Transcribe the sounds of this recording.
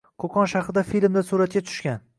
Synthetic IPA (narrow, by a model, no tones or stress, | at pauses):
kʰokʰɒnʃaχɾɪd̪afilmd̪asuɾat̪̚kʲat̪ʰʊ̥ʃkʲan